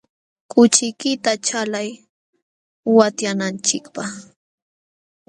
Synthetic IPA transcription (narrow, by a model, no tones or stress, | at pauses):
kʊt͡ʃɪkɪt̪at͡ʃalaj | wat̪janant͡ʃɪkpaχ